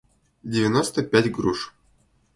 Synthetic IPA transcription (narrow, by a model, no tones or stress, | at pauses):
dʲɪvʲɪnost̪əpʲætʲɡɾuʂ